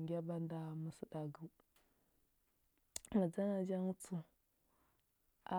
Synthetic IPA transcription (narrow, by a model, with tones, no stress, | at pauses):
ŋɡʲa˦ba˦nda˨mə˨sə˦da˨ɡu˨ | ma˨d͡za˦na˨d͡ʒa˦ŋ˦t͡su˨ | a̰˦